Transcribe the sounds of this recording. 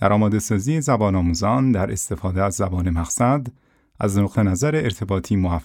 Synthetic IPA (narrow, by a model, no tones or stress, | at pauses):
d̪æ̰ɾʔɒːmɒːd̪e̞sɒːziːjezæbɒːnɒːmuːzɒːnd̪æɾe̞st̪e̞fɒːd̪eæzːæbɒːnemæxsæd̪ | ʔæznoqt̪ʰe̞næzæɾeːɾt̪ʰe̞bɒːt̪ʰiːmoæf